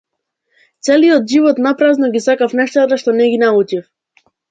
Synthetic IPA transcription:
t̪sɛlijɔt̪ʒivɔt̪napɾaznɔɡisakafnɛʃt̪at̪aʃt̪ɔnɛɡinaut͡ʃif

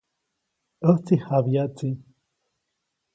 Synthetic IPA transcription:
ət͡sihabjat͡si

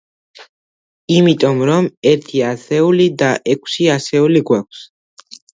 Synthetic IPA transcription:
imit̪ʼɔmɾɔmɛɾt̪ʰiasɛulid̪aʔɛkʰsiasɛuliɡwak̚ʷʰs

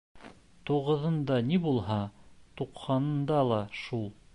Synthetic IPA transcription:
t̪uʁɤ̆ðɤ̆nd̪ɑnibulˠɦɑt̪uqhɑnɤ̆nd̪ɑlˠɑʃulˠ

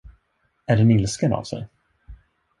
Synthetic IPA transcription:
æɖɛnɪlskəna̰vsɛ̰j

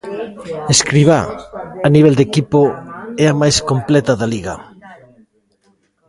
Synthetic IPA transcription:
eskɾiβ̞a̰aniβɛld̪ekipoɛamajskomplɛt̪ɐðaliɣɐ̰

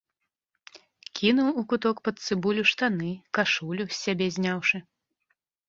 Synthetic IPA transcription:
kʲʰinuwukut̪ɔkpɐt̪t̪sɨbulʲuʂt̪anɨkaʂulʲusʲːabʲɛzʲnʲawʂɨ

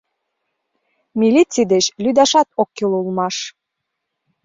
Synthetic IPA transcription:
mʲilʲit͡sijd̪eɕlyd̪ɑʃɑt̪okːilulˠmɑʃ

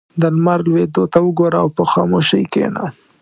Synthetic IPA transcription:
d̪əlmaɾlwed̪ot̪awəɡoɾaːwpəxɑmoʃəjkḛna̰

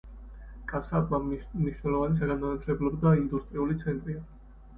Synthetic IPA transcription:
kʼasaamniʃwnɛlˠɔvanis̬aɾamnanat̪ʰlɛblˠɔbd̪aind̪ust̪ʼɾiulit̪sʰɛnt̪ʼɾia

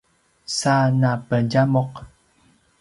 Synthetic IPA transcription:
sanapəd͡ʒamɔq

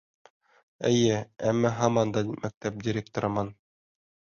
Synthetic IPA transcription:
ɘ̆jɘæmːæɦɑmɑnd̪ɑmæk̚t̪æp̚dʲɪɾʲek̚t̪ŏɾɤ̆mɑn

